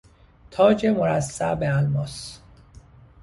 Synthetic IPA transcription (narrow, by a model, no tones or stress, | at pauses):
t̪ʰɒːd͡ʒemoɾæsːæbeælmɒːs